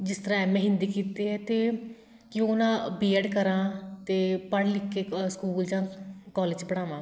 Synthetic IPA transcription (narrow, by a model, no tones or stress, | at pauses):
d͡ʒɪst̪əɾãːɛmɛ̃ːɦɪ̃nd̪iːkiːt̪eːɦɛːt̪eː | kɪõʊnãːbiːɛːɖkəɾãːt̪eːpəɽlɪkːeːskuːld͡ʒãːkɔːleːd͡ʒbəɽ̃aːʋãː